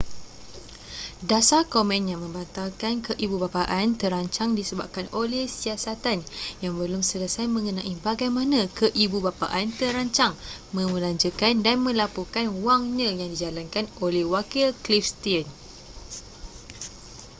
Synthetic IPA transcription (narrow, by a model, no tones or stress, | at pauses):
dasakomɛ̃njãŋmə̃mbant̪alkankəʔibubapaʔant̪əɾaɲt͡ʃaŋdisəba̰p̚kanʔolɛhsiasat̪anjaŋbəlʊmsələsajmə̃ŋənãʔibaɡajmãnãkəʔibubapa̰ʔant̪əɾaɲt͡ʃaŋmə̃məlaɲd͡ʒəkandanmə̃lapukanwaŋɲãjaŋdid͡ʒalankanolɛhwakilklifst̪iən